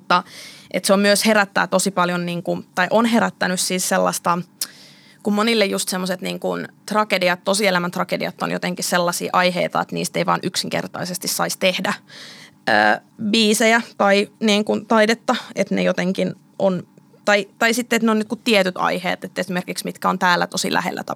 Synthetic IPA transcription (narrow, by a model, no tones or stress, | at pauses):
mut̪ːɑʔḛt̪seommyøsheɾæt̪ːæ̰ːt̪osipɑljonniːŋkut̪ɑiʔonɦeɾæt̪ːænyssiːsselːɑ̰st̪ɑ | kummonilːejjust̪semːoset̪niːŋkunt̪rɑkediɑt̪t̪osielæmænt̪rɑkediɑ̰t̪ːo̰njo̰t̪eŋkisselːɑsḭːʔɑiɦḛit̪ɑ̰et̪nḭːst̪eijʋɑ̰ːnʔyksiŋkḛrt̪ɑ̰isest̪issɑist̪ehdæ | ø̰ːbiːsejæt̪ɑiniːŋkunt̪ɑidet̪ːɑet̪nejot̪eŋkin | ʔon | t̪ɑit̪ɑisit̪ːeːt̪neonnyt̪̚kut̪t̪ːiet̪yt̪ɑ̰ihḛːt̪et̪ːesimerkiksmit̪kæont̪æːlːæ̰t̪osḭlæ̰hḛlːæ̰t̪ɑ